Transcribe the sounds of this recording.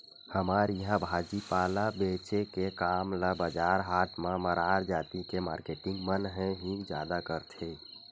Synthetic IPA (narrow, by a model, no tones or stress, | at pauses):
həmaɾiɦãbʱad͡ʒipalabet͡ʃekekamləbəd͡ʒaɾɦaɾʈmẽməɾaɾd͡ʒat̪ikema̰ɾkeʈĩŋɡmənɦɛ̃ɦĩd͡ʒja̰d̪akəɾt̪ʰe